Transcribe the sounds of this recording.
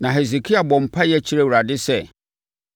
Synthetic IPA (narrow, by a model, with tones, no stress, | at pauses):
nã˨ɦe˨ze˨kʰi˦a˨bɔ̃˨m̩˨pʰa˦jɛ˦t͡ɕʰi˦ɾe˦˨wu˨ɾa˨dɪ˦sɛ˦˨